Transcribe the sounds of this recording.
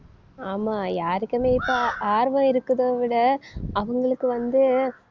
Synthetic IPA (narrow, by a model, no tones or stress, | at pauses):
aːmaːjaːɾɪkʲːɐmeːɪpːoʔaːɾʋɐ̃ɪɾɯkːɯðoːʋɪɽɐɐʋɐŋɡɐɭɯkːɯʋɐnd̪ɯ